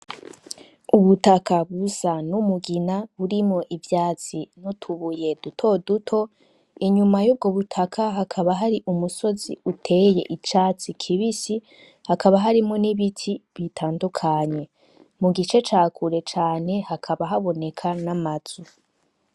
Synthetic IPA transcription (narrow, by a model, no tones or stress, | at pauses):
uβutakaβusanumuɡinaβuɾimŋo̞ʔivjaːt͡sinutʰuβuje̞dutʰo̞dutʰo̞ | iɲumajuːb̚ɡo̞βutʰakʰaɦakʰaβaɦaɾiʔumuso̞ziutʰe̞je̞̰ʔit͡ʃaːt͡sikʰiβisi | hakʰaβaɦaɾimŋo̞niβitʰiβitʰaːndukʰaɲe̞ | muɡit͡ʃe̞t͡ʃaːkʰuɾe̞t͡ʃaːne̞hakʰaβaɦaβo̞ne̞kʰanamazu